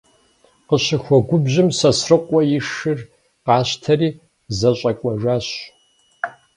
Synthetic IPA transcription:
qəɕɪxʷɔɡʷʊbʑɪmsɐsrɨqʷʼɔjɪʂɨr | qɑːɕtʰɐriː | zɐɕʼɐkʷʼɔʐaːɕ

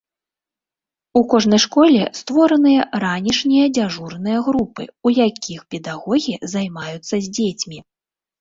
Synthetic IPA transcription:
ukɔʐnɐjʂkɔlʲɛst̪vɔɾɐnɨjɐɾanʲiʂnʲijɐd͡zʲaʐurnɨjɐɣɾupɨ̰ujakʲixpʲɛd̪aɣɔɣʲizajmajut̪sːɐzʲd͡zʲet͡sʲmʲi

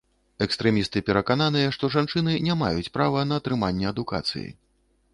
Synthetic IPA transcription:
ɛkst̪ɾɛmʲist̪ɨpʲɛɾɐkanan̪ɨjɛʂt̪ɔʐant͡ʂɨnɨnʲama̰jut͡sʲpɾavɐnɐːt̪ɾɨmanʲːɛɐd̪uka̰t̪sɨ̰jḭ

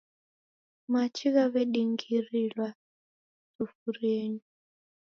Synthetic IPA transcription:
mat͡ʃʰiɣaβɛɗiŋɡirilwa | tufuɾeːni

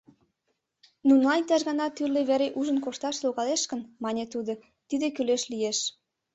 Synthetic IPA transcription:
nunlɑnʲt̪ɑʒɣɑnɑt̪yrleβæɾeʔuʒə̆nkoʃt̪ɑʃloɣɑleʃkənmɑnʲet̪ud̪o | t̪id̪ekyleʃlijeʃ

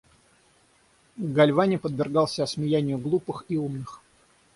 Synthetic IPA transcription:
ɡɐlʲvanʲɪpəd̪vʲɪrɡɑlˠsʲəəsmʲɪjænʲɪjʊɡlˠupɨxiumnɨx

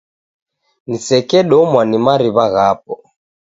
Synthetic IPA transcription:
nisɛkɛɗɔmwanimaɾiβaɣap̚ɔ

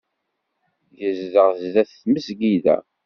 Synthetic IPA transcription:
jəzðəʁzðæθθməsɡiðæ̰

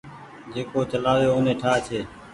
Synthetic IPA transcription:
d͡ʒeːkoːt͡ʃəlaːʋjoːoːneːʈʰaːt͡ʃʰeː

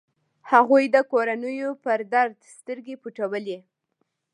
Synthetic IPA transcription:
haɣujd̪əkoɾanəjopəɾd̪aɾd̪st̪əɾɡepuʈawəli

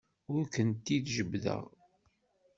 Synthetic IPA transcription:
ʊɾkənt̪ːiðʒəbðə̰ʁ

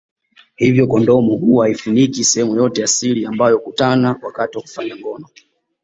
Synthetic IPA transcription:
hivjɔkɔndɔmuhuaifunikisɛhɛmujɔtɛjasiliambajɔkutanawakatiwaku̥faɲaŋɡɔnɔ

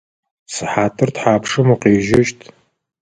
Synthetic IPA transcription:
sɨħaːtʰɨrtħaːpʂɨmuqeːʒɐʃtʰ

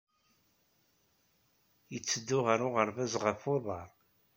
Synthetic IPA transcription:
jət͡sːəd̪ːʊʁəɾʊʁəɾvæzʁəfoðˤɑɾˤ

